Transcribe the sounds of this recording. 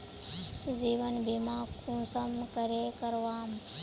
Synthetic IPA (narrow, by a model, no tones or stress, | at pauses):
ziːʋənbʱimãːkũːsəmkəɾeːkəɾʋaːm